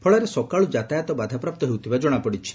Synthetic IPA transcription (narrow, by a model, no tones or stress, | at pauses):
pʰɔɭaɾesɔkaɭud͡ʒat̪ajat̪ɔbad̪ʱapɾap̚t̪ɔɦewut̪ʰibad͡ʒɔɽ̃apɔɽit͡ʃʰi̥